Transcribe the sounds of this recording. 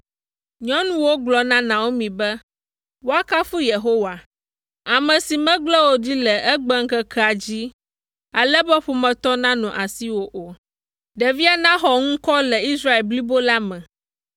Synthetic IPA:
ɲɔ̃˦nũ˦wo˦ɡ͡blɔ˨nã˦nã˨wo˦mĩ˨bɛ˦ | wo˦a˦ka˦fu˦je˨ɦo˦wa˨ | a˨mɛ̃˨si˨mɛ̃˦ɡ͡blɛ˦wo˦di˦lɛ˨ʔɛ˦ɡ͡bɛ˦ŋ̩˦kɛ˦kʰɛ˦a˨d͡ʑi˦ | a˨lɛ˦bɛ˦ɸo˨mɛ̃˨t̪ɔ˦nã˦nɔ̃˨ʔa˨si˦wo˦ʔo˨ | ɖɛ˨vi˦a˨nã˦xɔ˨ŋũ˦kɔ˦lɛ˨i˦sɾa˦e˨lbli˦bo˦la˦mɛ̃˨

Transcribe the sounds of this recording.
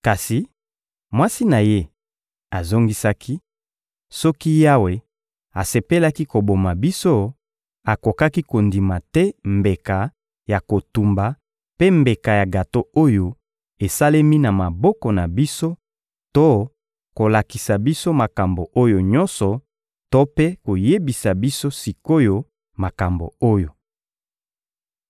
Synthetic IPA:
ka˨si˨ | mwa˦si˦na˨je˦ | a˨zo˦ŋɡi˦sa˦ki˦ | sɔ˦ki˦ja˦we˨ | a˨se˨pe˦la˦ki˦ko˨bo˨ma˨bi˦so˦ | a˨ko˨ka˦ki˦ko˨ndi˨ma˨tɛ˦mbe˨ka˨ | ja˨ko˨tu˨mba˨ | pe˦mbe˨ka˨ja˨ɡa˨to˦o˦jo˨ | e˨sa˦le˦mi˦na˨ma˨bɔ˦kɔ˨na˨bi˦so˦ | to˦ | ko˨la˨ki˨sa˨bi˦so˦ma˨ka˨mbo˨ʔo˦jo˨ɲɔ˦nsɔ˨ | to˦pe˦ko˨je˦bi˨sa˨bi˦so˦si˨ko˦jo˦ | ma˨ka˨mbo̰˨o˦jo˨

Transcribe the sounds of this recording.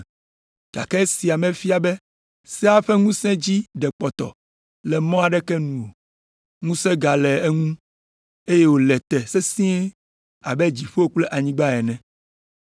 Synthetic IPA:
ɡ̥a̰˨kɛ˦si˨a˨mɛ̃˨fi˦a˨bɛ˦ | sɛ˦a˦ɸɛ˦ŋũ˦sɛ̃˦d͡ʑi˦ɖɛ˨k͡pɔ˨t̪ɔ̰˨ | lɛ˨mɔ̃˦a˨ɖɛ˦kɛ˦nũ˨o˨ | ŋũ˦sɛ̃˦ɡa˨lɛ˨ɛ˦ŋũ˦ | e˦je˦wo˨lɛ˨t̪ɛ˨sɛ˦sĩ˦ɛ˦ | a˨bɛ˦d͡ʑi˨ɸo˦o˦k͡plɛ˦ʔa˨ɲĩ˦ɡ͡ba˦ɛ˨nɛ̃˨

